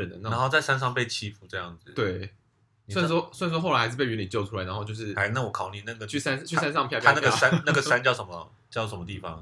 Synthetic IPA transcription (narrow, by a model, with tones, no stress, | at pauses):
ə˨˩nə˩na˧na˧˦nxo˥˧ʊt͡sa˥˩ɪsa˥˦nʂ̬ɑ˥˧ŋpe˥˩ɪt͡ɕʰi˦˥fu˨˧˥ʈ͡ʂɤ˥˧jɑ˥˩ŋd͡z̩˨˩t̪we˥˩ɪ | sn̩˥˩wɔ˥swn̩˥˩wɔ˥˩lɪʂ̩̬˥pe˥˩y˧˥ni˨˩t͡ɕjo˥˩ʊʈ͡ʂʰu˥a˨˥ɪ˧˦xo˥˧t͡ɕjo˥˧ʊʂɻ̩˥˩a˧˩ɪna˥˩ŋwɔ˨˩kʰɑ˨˩ʊni˨˧˩na˥˩ɡə˩t͡ɕʰy˥˩sa˥n˥t͡ɕʰy˥˩˥sa˥nsɑ˥˧ŋpʰjt̪jʰa˥˧na˥˩ɡə˩ʂa˥nna˥˩ɡə˩a˥˦nt͡ɕjɑ˥˧ʊʂə˧˦mə̰˧ | t͡ɕjɑ˥˩ʊʂə˧˦mə˧t̪i˥˩fɑ̰˦ŋ